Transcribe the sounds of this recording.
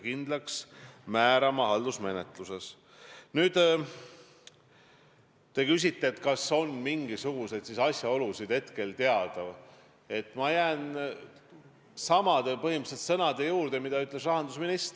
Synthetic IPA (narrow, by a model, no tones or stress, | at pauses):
kind̪lɑksmæːɾɑmɑɦɑld̪̥usme̞net̪ˑluse̞s | nyːd̪̥ | t̪e̞kys̬ʲit̪ːe̞et̪kɑso̞nmiŋɡisuɡ̥use̞d̪sisɑsʲjɑo̞lusid̪̥he̞t̪ke̞lt̪e̞ɑd̪̥ɑv | e̞t̪ːmɑjæːn | sɑmɑd̪epɤɦimɯselt̪sɤ̞nɑd̪e̞juːɾd̪̥emid̪ɑyt̪ːˑle̞srɑɦɑnd̪̥usminist̪